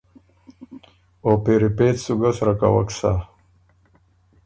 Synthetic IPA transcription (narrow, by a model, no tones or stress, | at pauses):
opeɾipet̪suɡasɾaka̰wa̰ksa